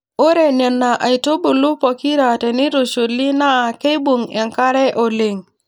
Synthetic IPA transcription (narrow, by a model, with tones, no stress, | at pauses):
o˦ɾe˨ne˨nːa˨ʔa˨jto˦bu˨lu˦po˨ki˦ɾa˨te˨ni˦ɾo˨ʃu˨lːi˦na˦˨ke˦jbu˨ŋɛ˨ŋka˦ɾɛ˦ʔo˨le˨ŋ